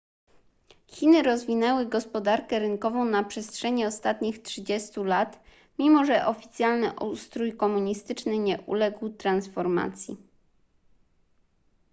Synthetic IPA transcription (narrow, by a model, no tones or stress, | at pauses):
xʲinɘɾɔzvʲinɛwɘɡɔspɔd̪aɾkɛɾɘŋkɔvɔ̃w̃napʂɛstʂɛɲɛɔst̪at̪ɲixtʂɘd͡ʑɛst̪ulat̪ | mʲimɔʐɛʔɔfʲit̪sʲjalnɘ̰ʔust̪ɾujkɔmuɲist̪ɘt͡ʂnɘɲɛʔṵlɛɡwt̪ɾansfɔɾma̰t̪sʲjḭ